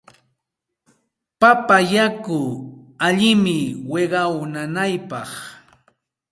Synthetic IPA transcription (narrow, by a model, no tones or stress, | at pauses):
papajakʊaʎɪmɪweɢɑwnanajpɑχ